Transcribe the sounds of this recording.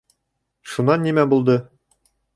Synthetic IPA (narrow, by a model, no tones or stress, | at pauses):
ʃunːɑnːimæbulˠd̪ɤ